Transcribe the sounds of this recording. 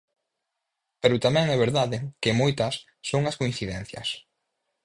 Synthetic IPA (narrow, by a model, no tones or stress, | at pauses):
peɾʊt̪amɛ̃ŋɛβ̞eɾðaðɪkɪmojt̪ɐsːoŋɐskoin̟θiðɛn̟θjɐ̰s